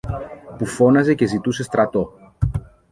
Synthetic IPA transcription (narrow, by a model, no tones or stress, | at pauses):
pufo̞nɐze̞ce̞zit̪use̞st̪ɾɐt̪o̞